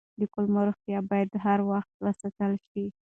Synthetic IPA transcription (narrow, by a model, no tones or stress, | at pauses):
d̪əkʊlmaɾuxjɑbɑjad̪ɦaɾwaxt̪̚ɾasat̪əlʃi